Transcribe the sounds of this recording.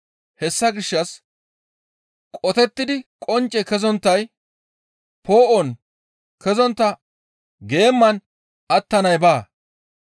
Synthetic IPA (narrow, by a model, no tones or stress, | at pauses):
hɛsːɐɡɪʃːɐs | kʼɔt̪ɛt̪ːɪd̪ɪkʼɔnt͡ʃʼːɛkɛzɔnt̪ːɐj | pʰo̞ːʔɔn | kɛzɔnt̪ːɐ | ɡe̞ːmːɐn | ɐt̪ːɐnɐjbaː